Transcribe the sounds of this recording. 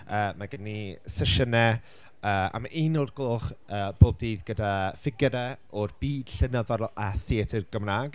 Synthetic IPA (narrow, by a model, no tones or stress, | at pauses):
əːmaɡənisəʃənɛ | əːa̰maʔinorɡ̥loχəːb̥oːb̚diːðɡədafɪɡɛɾɛ | ɔrb̥iːd̥ɬənəðɔɾaθiɛtʰirɡ̥əmnaːɡ